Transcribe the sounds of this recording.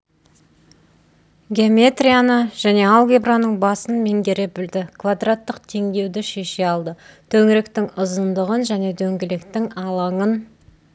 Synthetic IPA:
ɡʲeomʲe̞t̪rʲijanəʒ̥æne̞ɑlˠɡʲebranəɴbɑsənme̞ŋɡʲe̞ɾebɪld̪ɪkʰvad̪rat̪ːəqt̪ʰe̞ŋɡ̪ʲe̞wd̪ɪʃe̞ʃe̞ɑlˠd̪ət̪ʰɵŋɪɾe̞kt̪ɪŋʊzənd̪əʁənʒæne̞d̪ɵŋɡʲɪlekt̪ɪŋɑlˠɑɴən

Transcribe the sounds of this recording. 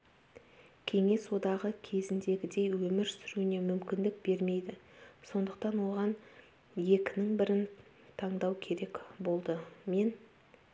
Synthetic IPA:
kʲʰe̞ŋe̞swo̞d̪ɑʁəkʲʰe̞zɪnd̪e̞ɡʲɪd̪e̞jwɵmɪɾsʏɾune̞mʏmkʲɪnd̪ɪk̚be̞ɾme̞jd̪ɪso̞nd̪əq̚t̪ɑnwo̞ʁɑn | je̞kʲɪnɪŋbɪɾɪn | t̪ʰɑɴd̪ɑwkʲʰe̞ɾe̞kbo̞lˠd̪əme̞n

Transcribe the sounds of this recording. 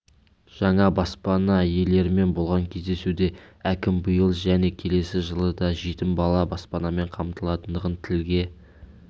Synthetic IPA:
ʒ̥ɑɴɑbɑspɑnɑje̞le̞ɾɪme̞nbo̞lˠʁɑŋkʲʰe̞zd̪e̞sud̪e̞ækʲɪmbəjəlˠʒæne̞kʲʰe̞le̞sɪʒəlˠəd̪ɑʒit̪ɪmbɑlˠɑbɑspɑnɑme̞ɴqʰɑmt̪əlˠɑt̪ənd̪əʁənt̪ʰɪlɡʲe̞

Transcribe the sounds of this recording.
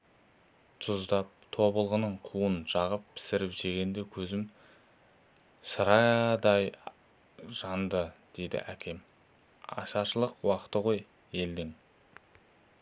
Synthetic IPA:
t̪ʰʊzd̪ɑp̚t̪ʰo̞bəlˠʁənəɴqʰuənʒ̥ɑʁəppʰːɪ̥sɪɾɪpʒe̞ɡʲe̞nd̪e̞kʲʰɵzɪm | səɾɑd̪ɑj | ʒ̥ɑnd̪əd̪̥e̞jd̪ɪ̰ʔækʲʰe̞m | ɑ̰ʃɑʃəlˠəqwɑqət̪əʁo̞j | e̞ld̪ɪŋ

